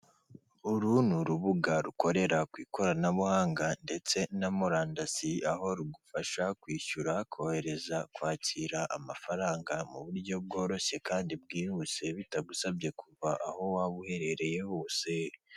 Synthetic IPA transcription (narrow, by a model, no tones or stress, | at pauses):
uɾunuɾuβuɡaɾuko̞ɾe̞ɾakwiːko̞ɾanaβuhaːŋɡande̞t͡se̞namoɾaːndasiaɦo̞ɾuɡufaʃakwiːʃuɾakʰohe̞ɾe̞zakwaːciɾaʔa̰mafaɾaːŋɡamuβuɾɟo̞b̚ɡo̞ːɾo̞ʃe̞kaːndibɡiːɾuse̞βitaɡusabje̞kʰuβaʔaho̞waβuhe̞ɾe̞ɾe̞je̞βoːse̞